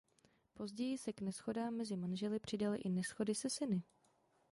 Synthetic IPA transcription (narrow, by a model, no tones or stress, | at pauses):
po̞zɟɛjɪsɛknɛsxo̞daːmːɛzɪmanʒɛlɪpr̥ɪdalɪʔɪnɛsxo̞dɪsɛsɪnɪ